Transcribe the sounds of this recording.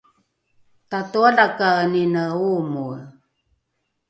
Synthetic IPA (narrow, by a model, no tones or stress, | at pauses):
tatoalakaəninəumu